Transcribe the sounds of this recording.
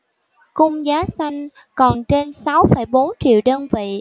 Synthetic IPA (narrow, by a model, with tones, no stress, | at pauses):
kʊ˧ŋ͡mzaː˨˦sa˧jŋ̟ | kɔ˨˩nt͡ɕe˧nsa˨˦wfəː˧˩jɓo˨˦nt͡ɕḭ˧˨əwɗəː˧nvḭ˧˨